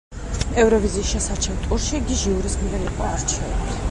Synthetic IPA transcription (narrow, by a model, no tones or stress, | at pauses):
ɛvɾɔviziːsʃɛsaɾt͡ʃʰɛvt̪ʼuɾʃiɡiʒiuɾisɡniɛɾiqʼɔaɾt͡ʃʰɛɛbi